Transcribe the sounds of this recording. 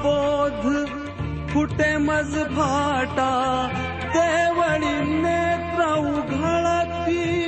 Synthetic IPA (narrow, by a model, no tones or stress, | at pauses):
od̪ʱ | kʰuʈemɐzbʱaːʈa | t̪eʋɐɭineːt̪ɾaũɡʱɐɭat̪pi